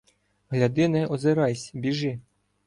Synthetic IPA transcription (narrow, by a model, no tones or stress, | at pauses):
ɦlʲɐd̪ɪnɛɔzeɾɑjsʲbʲiʒɪ